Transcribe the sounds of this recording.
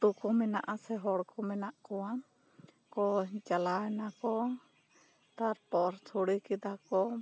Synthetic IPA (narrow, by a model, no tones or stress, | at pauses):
t̪ukɔmɛnaʔasɛɦɔɽkʰɔmɛnaʔkɔwa | kɔd͡ʒalanakɔ | t̪aɾpɔɾt͡ʃʰuɽikid̪akɔ